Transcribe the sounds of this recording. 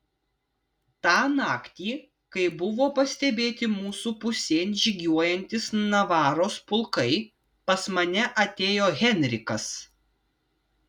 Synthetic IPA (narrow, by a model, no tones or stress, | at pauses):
t̪ɑːnɑːkt̪ʲiː | kɐɪbʊʋoːpɐsʲt̪ʲɛbʲeːt̪ʲɪmuːsuːpʊsʲeːnʲʒʲɪɡʲuɔjɛnʲt̪ʲɪsnɐʋɑːɾoːspʊlˠkɐɪ | pɐsmɐnʲɛʔɐt̪ʲeːjoːɣʲɛnʲɾʲɪkɐs